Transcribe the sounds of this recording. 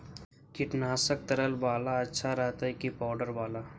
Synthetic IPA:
kɪʈnaːsək̚t̪əɾəlbaːlaɐtːʃʰaɾəɦt̪aikipaːʊɖəɾbaːlaː

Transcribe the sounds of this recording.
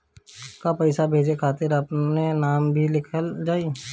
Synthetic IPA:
kapɐɪsabʱeːd͡ʒekʰaːt̪ɪɾɐpnenaːmbʱilɪkʰəld͡ʒaːi

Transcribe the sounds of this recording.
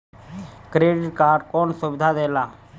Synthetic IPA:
kɾeːɖɪʈ̚kaːɾɖkɔːnsubɪd̪ʱad̪eːlaː

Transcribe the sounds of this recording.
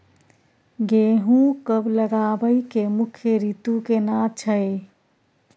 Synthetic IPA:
ɡeːɦũkəbləɡabəikemukʰjəɾit̪ukenãt͡ʃʰəe

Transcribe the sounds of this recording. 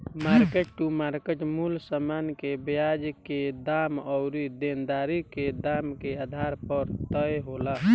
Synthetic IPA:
maːɾkeʈ̚ʈumaːɾkeʈmulsəmaːnkebjad͡ʒked̪aːmɔʊɾid̪end̪aːɾiked̪aːmkead̪ʱaɾpəɾt̪əjɦola

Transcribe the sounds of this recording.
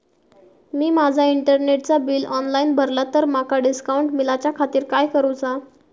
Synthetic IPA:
miːmad͡zʱaiɳʈəɾneʈ̚t͡sabiːlɔnlaiːnbʱəɾlat̪əɾmakaɖiskauɳʈmilat͡ɕjakʰat̪iːɾkajkəɾut͡sa

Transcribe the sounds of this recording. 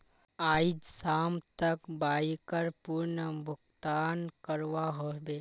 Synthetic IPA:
aːid͡ʒsaːmt̪əkbaːikəɾpuɾnəbʱʊkt̪aːnkəɾʋaɦobe

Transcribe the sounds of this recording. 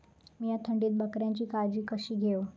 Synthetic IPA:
mijat̪ʰəɳɖiːt̪̚bəkɾjaɲt͡ɕiːkad͡ʑiːkəɕiːɡʱeo

